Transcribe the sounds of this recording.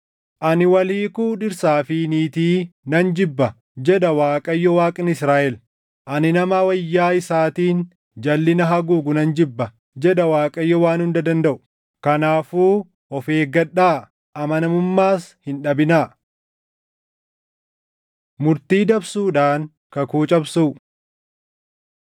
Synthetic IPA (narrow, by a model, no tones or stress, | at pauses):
ʔɐnɪwɐliːkuːᶑɪɾsaːfiniːt̪iːnɐnd͡ʒɪbːɐ | d͡ʒɛɗɐwaːkʼɐjːɔwaːkʼɪnɪsɾaːʔɛl | ʔɐnɪnɐmɐwɐjːaːɪsaːt̪iːn | d͡ʒɐlːɪnɐɦɐɡuːɡʊnɐnd͡ʒɪbːɐ | d͡ʒɛɗɐwaːkʼɐjːɔwaːnhʊnd̪ɐd̪ɐnd̪ɐʔʊ̥ | kɐnaːfuː | ʔɔfeːɡɐɗaː | ʔɐmɐnɐmʊmːaːshɪnᶑɐbɪna | mʊɾt̪iːd̪ɐbsuːᶑaːŋ | kɐkuːt͡ʃʼɐbsuː